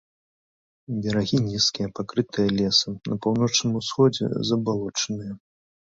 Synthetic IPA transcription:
bʲɐɾaɣʲinʲiskʲijɐpakɾɨt̪ʰɨjɐlʲɛsɨnɐpawn̪ɔt͡ʂnɨmusxɔd͡zʲɛ̰zɐbalˠɔt͡ʂɐnɨjɐ

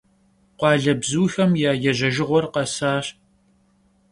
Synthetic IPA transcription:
qʷɑːɮɐbzuːxɐmjaːjɛʑɐʒɪʁʷɔrqɐsaːɕ

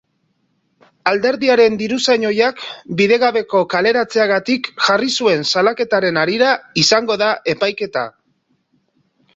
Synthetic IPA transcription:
ald̪e̞ɾðiaɾe̞nd̪iɾusaɲo̞jakbiðe̞ɣaβe̞ko̞kale̞ɾat͡se̞aɣat̪ikʝarisue̞nsalake̞t̪aɾe̞naɾiɾaisaŋɡo̞ðaʔe̞pajke̞t̪a̰

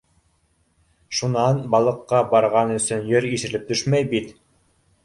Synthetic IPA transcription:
ʃunɑnbɑlˠɤ̆qːɑbɑɾʁɑnɵ̆sɵnjɵɾiʃɘ̆lɘp̚t̪ɵʃmæjbit̪

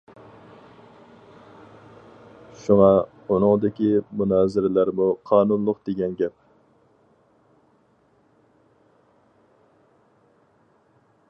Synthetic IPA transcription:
ʃuŋɑ | unɨŋd̪ɪkʲimunɑːzɪɾɪlæɾmuqʰɑːnunlˠʊqd̪̥eɡʲɛnɡʲɛp̚

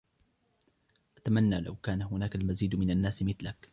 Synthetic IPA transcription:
ʔat̪amanːaːla̰wkaːnahʊnaːkalmaziːd̪mɪnanːaːsmɪθlak

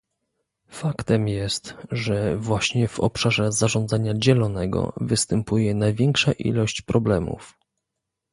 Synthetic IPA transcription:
fakt̪ɛmjɛst̪ʐɛvwaɕɲɛvɔ̰pʂaʐɛzaʐɔnd̪zaɲad͡ʑɛlɔnɛɡɔ̰vɘst̪ɛmpujɛnajvʲjɛŋkʂaʔḭlɔɕt͡ɕpɾɔblɛmṵf

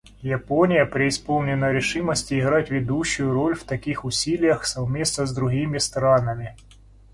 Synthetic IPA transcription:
japonʲɪjəpɾʲɪɪspolˠnʲɪnəɾʲɪʂɨməsʲtʲɪːɣɾatʲvʲɪd̪uɕːʊjʊɾo̞lʲft̪ɐkʲixʊsʲilʲɪjəxsɐvmʲe̞snəzd̪ɾʊɣʲimʲɪst̪ɾanɐmʲɪ

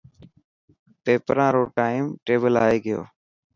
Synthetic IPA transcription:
peːpəɾãːɾoːʈaːɪmʈeːbəla̰ːeːɡɪjo̰ː

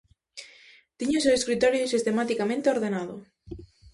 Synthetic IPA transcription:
t̪iɲʊseweskɾit̪ɔɾjosist̪emat̪ikamẽnt̪eoɾðenaðʊ̰

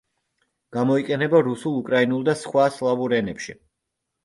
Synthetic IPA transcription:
ɡ̥amɔiqʼɛnɛbaɾusulˠukʼɾainulˠd̪asχwaslˠavuɾɛnɛpʃi

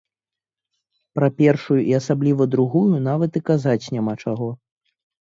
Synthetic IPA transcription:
pɾɐpʲɛrʂujuʔiasablʲivɐd̪ɾuɣujunavɐt̪ɨkazat͡sʲnʲamat͡ʂaɣɔ

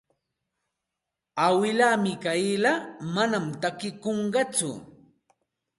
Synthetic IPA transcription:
awɪlaːmɪkajɪlamanamt̪akɪkoɴɢɑt͡sʊ̰

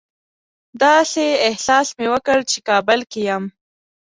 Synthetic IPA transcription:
d̪ɑseɪhsɑsmewəkəɽt͡ʃekɑbəlkijam

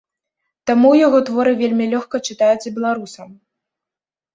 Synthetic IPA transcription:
t̪amujaɣɔt̪vɔɾɨvʲelʲmʲilʲɔxkɐt͡ʂɨt̪ajut͡s̪ʲbʲɛlˠaɾusɐm

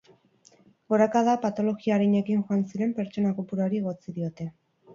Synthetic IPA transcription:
ɡo̞ɾakaðapat̪o̞lo̞ɣiaːɾiɲe̞kiŋʝoansiɾe̞mpe̞ɾt͡so̞nakopuɾaɾie̞ɣ̞o̞t͡siðio̞t̪e̞

